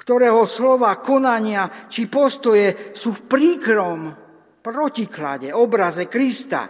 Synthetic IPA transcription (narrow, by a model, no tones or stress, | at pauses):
kt̪ɔɾɛːɦɔslɔʋaːkɔnaɲɪat͡ʃipɔst̪ɔjɛsuːfpɾiːkɾɔm | pɾɔcikla̰ɟɛɔbɾazɛkɾist̪a̰